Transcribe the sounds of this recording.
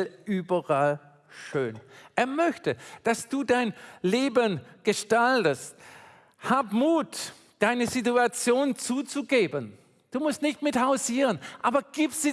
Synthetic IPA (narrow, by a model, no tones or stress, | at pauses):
lʔyːbɐʁal | ʃøːnʔeːɐmœçtəd̥asd̥uːdaɪnleːbənɡ̥əʃtaltəst | haːbmuːt | d̥aɪnəzituat͡sjoːnt͡suːt͡suɡeːbən | d̥uːmʊstnɪçtmɪthaʊziːʁənʔaːbɐɡ̥iːpz̥iː